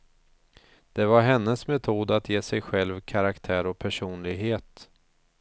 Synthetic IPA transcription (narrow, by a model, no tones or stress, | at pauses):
d̪̥ɛvaɾɦɛnːəsmɛt̪ʰuːd̪at̪jeːsɛjɧɛlvkʰaɾakt̪ʰæːɾɔpʰæʂuːnlɪɡɦeːt̪